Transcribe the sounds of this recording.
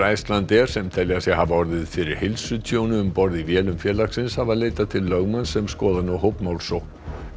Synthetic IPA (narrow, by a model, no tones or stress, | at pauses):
ajst̪lant̪ɛɾ̥sɛmt̪ʰɛlːjasjɛɦavaɔɾðɪðfɪɾɪɾ̥hɪlsʏt̪ʰjoːwnʏʏmpɔɾðivjɛːlʏmfjɛːɾlaksɪnshavaleːjt̪at̪ʰɪlːœɣmansɛmskɔːðanɔwɦowpmawlsow